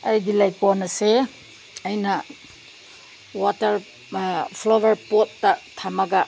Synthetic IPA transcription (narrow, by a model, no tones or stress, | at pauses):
ajdilajkɔnɐse | ajnɐ | watɐɾ | pʰlowɐɾpot̚ːatʰamaɡa